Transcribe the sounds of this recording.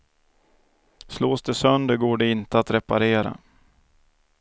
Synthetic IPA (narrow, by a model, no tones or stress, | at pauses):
sloːsd̪ɛsœnd̪əɾɡoːɖɛɪnt̪əat̪ɾɛpaɾeːɾa̰